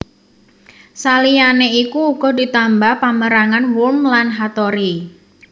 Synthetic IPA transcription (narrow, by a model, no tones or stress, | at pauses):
salianeikuːɡ̥ɔdit̪ambahpaməɾaŋanwʊlmlanɦat̪ɔɾi